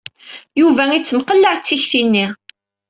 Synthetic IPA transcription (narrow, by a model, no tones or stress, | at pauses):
juvæit͡sːəmqəlːaʕt͡sːiçθinːi